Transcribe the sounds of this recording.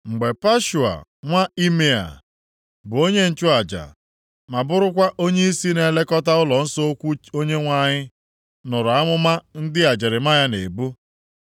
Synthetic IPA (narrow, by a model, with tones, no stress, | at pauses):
ŋ͡m̩˨ɡ͡be˨pa˦ʃu˨a̰˨ŋʷa˦i˦me˦a̰˨ | bʊ˨o˦ɲe˦n̩˨t͡ʃʊ˦a˨d͡ʒa̰˨ | ma˨bʊ˦ɾʊ˦kʷa˦ʔo˦ɲe˦i˦si˦ne˨le˦kɔ˦ta˦ʊ˦lɔ˨n̩˦so˦o˦kʷu˦o˦ɲe˦ŋʷa˦˨ɲɪ˦ | nʊ˨ɾʊ˨a˦mʊ˦ma˦n̩˦dɪ˦a˨d͡ʒɪ˨ɾɪ˨ma˦ja˦ne˨bu˦